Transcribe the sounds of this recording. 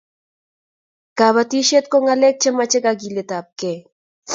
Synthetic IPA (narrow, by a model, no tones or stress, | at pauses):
kaβat̪iʃet̪̚koŋalek̚t͡ʃemat͡ʃekakilet̪ap̚ke